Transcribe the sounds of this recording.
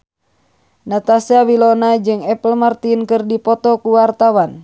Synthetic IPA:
nat̪asiawilɔnad͡ʒɨŋɛpəlmart̪inkɨrdipɔt̪ɔkuwart̪awan

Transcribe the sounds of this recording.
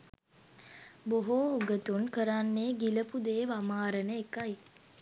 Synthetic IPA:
boɦouɡət̪uŋkəɾanːeːɡiləpud̪eːʋamaːɾənəekaj

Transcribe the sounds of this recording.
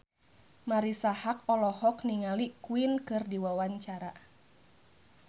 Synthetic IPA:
maɾisahak̚ɔlɔhɔkniŋalikuinkɨrdiwawaɲt͡ʃaɾa

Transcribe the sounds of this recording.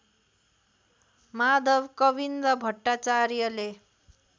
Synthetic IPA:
mad̪ʌbkʌbind̪ʌbʱʌʈːat͡saɾjʌle

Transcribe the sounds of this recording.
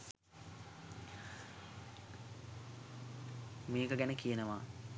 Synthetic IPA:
meːkəɡænəkijənəʋaː

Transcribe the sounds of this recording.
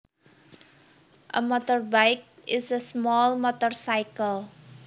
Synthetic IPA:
ʔə̰mɔt̪ɔrbajk̚ʔɪsəsmɔlmɔt̪ɔrsajkəlˠ

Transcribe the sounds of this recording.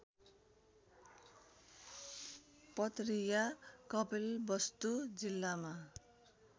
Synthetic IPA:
pʌt̪rijakʌpelbʌst̪ud͡zilːama

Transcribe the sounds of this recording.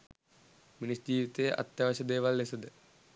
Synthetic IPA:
minisd͡ʑiːʋit̪ejəʔa̰t̪jaʋɐɕəd̪eːʋalːesəd̪ə

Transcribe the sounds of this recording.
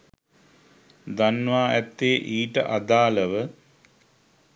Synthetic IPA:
d̪anːʋaːæt̪ːeːʔiːʈə̰ʔad̪aːləʋə

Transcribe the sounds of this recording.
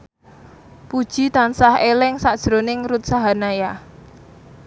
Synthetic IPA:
pud̥ʒ̥i̤t̪ansahelɪŋsad̥ʒ̥ɾonɪŋɾut̪̚saɦanaja

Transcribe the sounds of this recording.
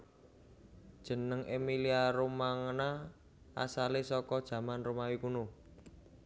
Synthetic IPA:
d̥ʒ̥ə̤nəŋʔemiliaɾumaŋna | a̰salesɔkɔd̥ʒ̥ä̤manrumawikunu

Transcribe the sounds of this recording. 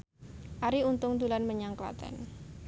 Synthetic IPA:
ʔaɾiunt̪ʊŋd̪ulanməɲaŋkla̰t̪a̰n

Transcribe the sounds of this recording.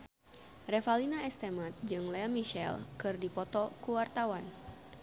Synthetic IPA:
refalinaɛst̪emat̪̚d͡ʒɨŋlɛmiʃɛ̰lkɨrdipɔt̪ɔkuwart̪awan

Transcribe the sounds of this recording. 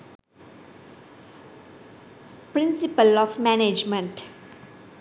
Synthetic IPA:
pɾɪ̃nsipəlɔfmæned͡ʒmə̃ɳʈ

